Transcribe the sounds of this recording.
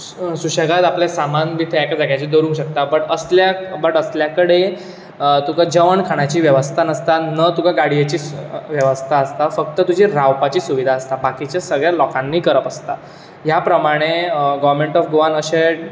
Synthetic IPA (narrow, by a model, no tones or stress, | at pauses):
suɕəɡat̪apljasamanbit̪ʰeɛkad͡zakat͡ɕiːd̪oɾũŋɕək̚t̪apəɳəsljabəʈəsljakəɽe | t̪ukad͡ʑəʋəɳkʰaɽ̃at͡ɕiːʋjəʋəst̪ʰanəst̪anət̪ukaɡaɽijat͡ɕiːʋjəʋəst̪ʰaəst̪afək̚t̪ət̪ud͡ʑʱiːɾawpat͡ɕiːsuʋid̪ʱaəst̪abakit͡ɕjasəɡɭjalɔkãnːiːkəɾəpəst̪a | ɦjapɾəmaɽ̃eɡəʋɾmeɳʈɔfɡoʋanəɕeʈ